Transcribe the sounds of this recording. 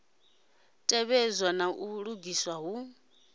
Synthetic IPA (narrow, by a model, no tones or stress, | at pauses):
tʼɛβɛzwanaʔuɺuɡiswaɦu